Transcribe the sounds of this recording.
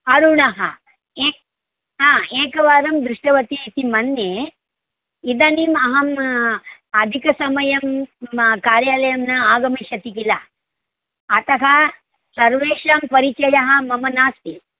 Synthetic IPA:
ɐɾuɳɐɦɐ̰ | eː | ɦaːeːkɐʋaːɾɐmd̪ɾuʂʈɐʋɐt̪iːt̪imɐnːe | id̪ɐnimɐɦɐm | ɐd̪ʱikɐsɐmɐjɐm | kaːɾjaːlɐjɐmnɐaːɡɐmiʃɐt̪ikilɐ | t̪ɐɦɐ | sɐɾʋeːʃaːmpɐɾit͡ʃɐjɐɦɐ̆mɐmɐnaːst̪i

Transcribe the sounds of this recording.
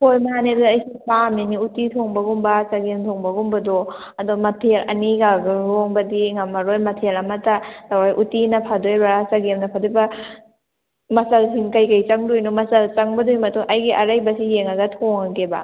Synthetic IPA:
pʰojmaanedaɐjsipaminiutitʰoŋbɐɡumbasaɡemtʰɔŋbɐɡumbɐdɔ | ɐdɔmɐtʰeɾɐ̰niɡaɡaɾoŋbɐdiŋamɐɾojmɐtʰeɾɐmɐtatawajʔutinɐpʰadojbasaɡemnɐpʰadojbɐ | mɐsɐlsiŋkɐjkajt͡ʃɐŋdojnomɐsɐlt͡ʃɐŋbɐdojmɐtuŋʔɐjɡiʔɐɾajbɐsijeŋaɡɐtʰɔŋakeba̰

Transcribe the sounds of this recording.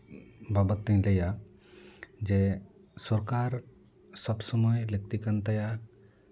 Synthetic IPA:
babət̪ːə̃ɲlɛja | d͡ʒe | sɔɾkaɾ | sɔbsɔmɔjlək̚t̪ikant̪aja

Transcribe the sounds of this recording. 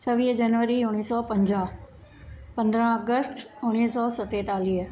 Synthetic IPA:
t͡ɕʰɐʋiːɦd͡ʑɐnʋəɾiʊɽ̃iːsɔpɐ̃ɲd͡ʑaɦ | pɐ̃nd̪ɾə̃ɐɡəsʈʊɽ̃iːsɔsɐt̪et̪aːliːɦə

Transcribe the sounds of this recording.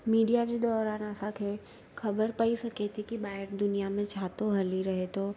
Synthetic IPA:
miːɖijad͡ʑeːd̪ɔːɾaːnəsãkʰeː | xɐbəɾpɐisɐket̪ʰikibaːɪɾd̪ʊnijamẽt͡ɕʰaːt̪oɦɐliɾɐɦet̪ʰoː

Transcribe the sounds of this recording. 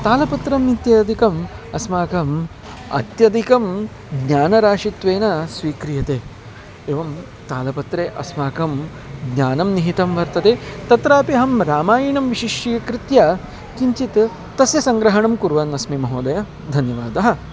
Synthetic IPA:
t̪aːlɐpɐt̪ɾɐmit̪jɐd̪ʱikɐmɐ̰smaːkɐm | ɐ̰t̪jɐd̪ʱikɐm | ɡɲaːnɐɾaːʂit̪ʋeːnɐsʋiːkɾijɐt̪eː | ʋɐm | t̪aːlɐpɐt̪ɾeːʔɐ̰smaːkɐm | ɡɲaːnɐmniɦit̪ɐmʋɐɾt̪ɐt̪et̪ɐt̪ɾaːpiɦɐmɾaːmaːjiɳɐmʋiʃiʃijɐkɾɪt̪jɐ | kiɲt͡ʃit̪ | t̪ɐsjɐsɐŋɡɾɐɦɐɳɐmkuɾʋɐnɐsmimɐɦoːd̪ɐjɐ | d̪ʱɐnjɐʋaːd̪ɐɦɐ̆

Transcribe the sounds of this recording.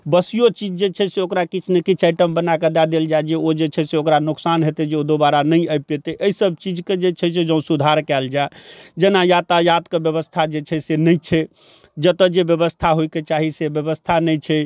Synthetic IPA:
bəsijot͡ʃid͡ʒd͡ʒet͡ʃʰɛseokɾakit͡ʃʰnekit͡ʃʰaɪʈəmbənaked̪ad̪eld͡ʒaed͡ʒeod͡ʒet͡ʃʰɛseokɾanuksanɦet̪ed͡ʒeod̪obaɾanəiəpet̪eʔəisəb̚ʱt͡ʃid͡ʒked͡ʒet͡ʃʰɛsed͡ʒə̃ũsud̪ʱaɾkɛld͡ʒaed͡ʒenajat̪ajat̪kebjəβəst̪ʰad͡ʒet͡ʃʰɛsenəjt͡ʃʰɛ | d͡ʒət̪əd͡ʒebjəbəst̪ʰaɦoiket͡ʃaɦisebjəbəst̪ʰanəjt͡ʃʰɛ

